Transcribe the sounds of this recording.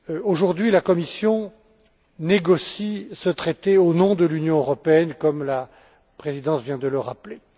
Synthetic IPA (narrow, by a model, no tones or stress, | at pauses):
oʒuʁd̪ɥilakɔmisjɔ̃ | neɡɔsisət̪χet̪eonɔ̃d̪əlynjɔ̃øʁɔpeɛnkɔmla | pχezid̪ɑ̃svjɛ̃d̪ələʁa̰ple